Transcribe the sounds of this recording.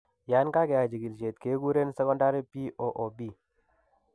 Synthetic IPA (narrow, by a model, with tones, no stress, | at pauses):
ja˨˦nka˦ɡɛ˨a˨d͡ʒi˨ɡi˨lt͡ʃe˨t̪ke˨˦ɡu˦ɾe˦nsɛ˦kɔ˦nda˦ɾi˦pi˦ʔo˨ʔo˨bi˦